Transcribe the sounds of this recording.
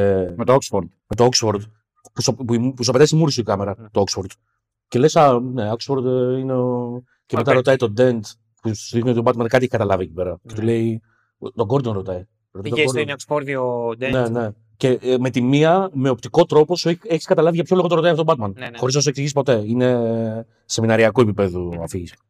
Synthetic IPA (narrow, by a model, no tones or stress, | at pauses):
met̪ooksfoɾd̪met̪ooksfoɾd̪ | puspuipus̬uɐpet̪ɐisimuɾisuikɐme̞ɾɐt̪ooksfo̞ɾd̪ | ce̞lesɐneoksfo̞ɾd̪ineo | cemet̪ɐɾo̞t̪ɐit̪o̞d̪e̞nt̪ | puuðixniot̪t̪obɐt̪mɐnkɐt̪ieçkɐt̪ɐlɐviecipe̞ɾɐce̞t̪ule̞i | t̪o̞ɡo̞ɾd̪onɾo̞t̪ɐi | ɾot̪ɐtːɐoɾnoksfoɾðiod̪enene̞ | ce̞me̞t̪imiɐme̞opt̪iko̞t̪ɾo̞po̞sueeçi̥skɐt̪ɐlɐviʝɐpço̞lo̞ɣooɾoɐjɐfotobɐt̪mɐnxo̞ɾiznɐs̬ueksiʝisi̥spot̪e̞ine̞ | se̞minɐɾiɐkue̞pipe̞ðuɐ̰fiʝis